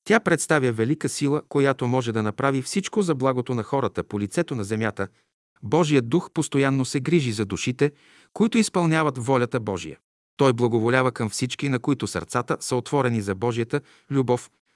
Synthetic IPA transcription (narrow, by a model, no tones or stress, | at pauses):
t̪ʲapɾɛt̪st̪avʲjəvɛlikəsilˠəkojat̪omɔʒɛd̪ɐnɐpɾavifsit͡ʃkozɐblˠaɡot̪onɐxɔɾət̪əpolʲit̪sɛt̪onɐzɛmʲjat̪ə | bɔʒijəd̪̚d̪uxpost̪ojanːosɛɡɾiʒizɐd̪uʃit̪ɛ | koit̪ʊispɐlˠnʲavɐt̪vɔlʲɐt̪əbɔʒḭjə̰ | t̪ɔjblˠɐɡovolʲavəkɐmfsit͡ʃkinɐkoit̪ʊsɐ̰ɾt̪sat̪əsəot̪vɔɾɛnizɐbɔʒijət̪ə | lʲubɔf